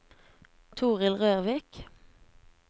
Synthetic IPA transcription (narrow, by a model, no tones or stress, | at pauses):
t̪ʰuːʁɪlʁøːʁʋɪk